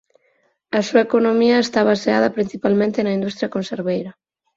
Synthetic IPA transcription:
ɐsuaekonomiɐest̪aβaseað̞ɐpɾin̟θipalmẽnt̪enɐind̪ust̪ɾjɐkonseɾβejɾɐ

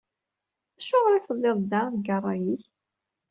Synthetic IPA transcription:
æʃʊʁɾˤiθəlˤːɪðˤd̪aðɡərˤːɑjiç

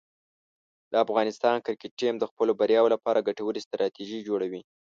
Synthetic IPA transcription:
d̪̥əafɣɑnɪst̪ɑnkɪɾkeʈ̚ʈːimd̪əxpəlobaɾjɑwolapɑɾaɡaʈawəɾist̪ɾɑt̪iʒid͡ʒoɽawi

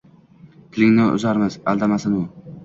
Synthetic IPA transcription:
t̪ʰɪlɪŋnɪʊ̰zaɾmɪz̥a̰lˠd̪amasɪnʊ

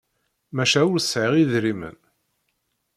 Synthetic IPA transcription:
mæʃæʊɾsʕəʁiðɾimə̰n

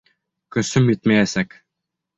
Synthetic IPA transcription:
kɵ̆sɵmjɘt̪mæjæsæk

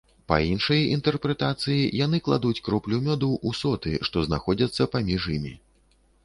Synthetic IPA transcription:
pɐ̰inʂɐjɐint̪ɛrpɾɛt̪at̪sɨjijanɨklˠa̰d̪ut͡sʲkɾɔplʲumʲɔd̪uwʔusɔt̪ɨʂt̪ɔznaxɔd͡zʲɐt̪sːɐpamʲiʐjimʲḭ

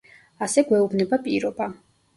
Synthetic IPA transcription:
asɛɡwɛubnɛbapʼiɾɔba

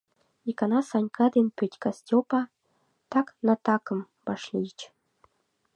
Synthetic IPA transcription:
ikɑnɑsɑnʲkʰɑd̪enpʲøtʲkɑsʲtʲopɑ | t̪ɑknɑt̪ɑkɤ̆m | b̥ɑʃlʲit͡ɕ

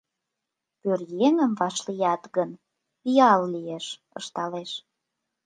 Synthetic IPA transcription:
pørjeŋə̆mvɑʃlijɑt̪ɣən | jɑllieʃ | ə̰ʃt̪ɑleʃ

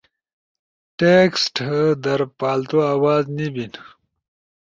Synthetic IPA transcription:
ʈeksʈhəd̪ɐɾpaːlt̪oaːwaːznibin

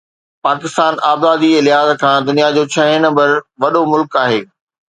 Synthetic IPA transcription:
paːkɪst̪aːnʔaːbzaːd̪iɪlɪɦaːzkʰãːd̪ʊnijad͡ʑoːt͡ɕʰɐɦɪ̃nɐ̃mbəɾʋɐɗomʊlkaːɦeː

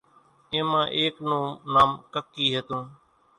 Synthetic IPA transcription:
ẽːmãːʔeːknõːnaːmkəkːiːɦet̪ũː

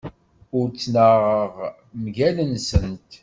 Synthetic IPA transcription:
ʊɾt͡sːnəʁəʁ | mʝælənsənt̪

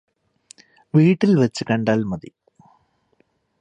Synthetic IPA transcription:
ʋiːʈːilʋɐt͡ɕːɨkɐɳɖaːlmɐðḭ

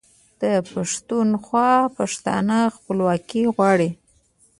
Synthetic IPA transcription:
d̪̥əpaʂt̪unxwɑpaʂt̪ɑ̰nəxpəlwɑkiɣwɑɽi

